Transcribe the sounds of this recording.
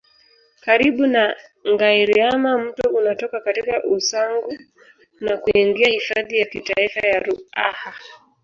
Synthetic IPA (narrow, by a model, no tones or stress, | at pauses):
kaɾiɓunaŋɡaiɾiamam̩tɔunatɔkakatikaʔusaŋɡu | nakuiŋɡiahifaðijakitaifajaɾua̰ha